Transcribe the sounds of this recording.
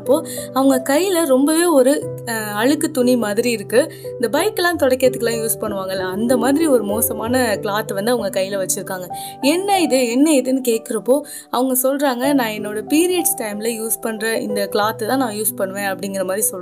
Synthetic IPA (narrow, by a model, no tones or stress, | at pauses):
pːoːɐʋɐŋɡɐkɐjlɐɾɔmbɐʋeːɔɾɯɐɻɯkːɯt̪ʊnimaːðɪɾiɪɾɯkːɯ | ɪnd̪ɐbɐɪkːɛlãːt̪ɔɽɐkːɪɾɐðɯkːɐlãːjuːspɐɳːɯʋaːŋɡɐlãɐnd̪ɐmaːðɪɾiɔɾɯmoːsɐmaːnɐkɭaːt̪ːɯʋɐnd̪ɯɐʋɐŋɡɐkɐjːɪlɐʋɐt͡ʃːɪɾɯkːaːŋɡɐɛnːɐɪðɯɛnːɐɪðɯnːɯkeːʈ̚kɪɾɐpːoː | ɐʋɐŋɡɐsɔlɾaːŋɡɐnãːɛnːoːɽɐpiːɾɪjɐʈsʈɐɪmlɐjuːspɐɳːɾɐɪ̰nd̪ɐkɭaːt̪ːt̪ãːnãːjuːspɐɳːɯʋẽːɐpːɐɽɪŋɡɪɾɐmaːðɾisɔlː